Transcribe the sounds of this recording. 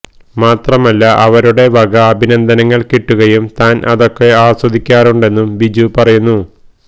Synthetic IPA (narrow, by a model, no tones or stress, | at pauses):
maːt̪rɐmɐlːɐʔɐʋɐɾuɽe̞ʋɐɡɐːbʱinɐnd̪ʱɐnɐŋːɐɭkiʈːuɣɐjumt̪aːnʔɐ̰ðo̞kːe̞aːswɐd̪ʱikʲːaːruɳɖe̞nːumbid͡ʑupɐrɐjunːu